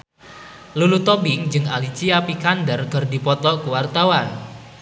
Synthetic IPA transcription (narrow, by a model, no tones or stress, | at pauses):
lulut̪ɔbɪŋd͡ʒɨŋa̰lit͡ʃiapikandərkərdipɔt̪ɔʔkuwart̪awan